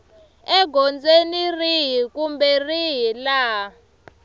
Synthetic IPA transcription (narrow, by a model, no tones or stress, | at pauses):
ɛɡʱɔnd͡zeniriɦikumbɛriɦila